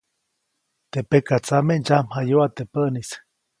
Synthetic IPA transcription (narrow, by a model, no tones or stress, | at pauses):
t̪epekat͡samend͡ʒamhajoat̪epəʔnis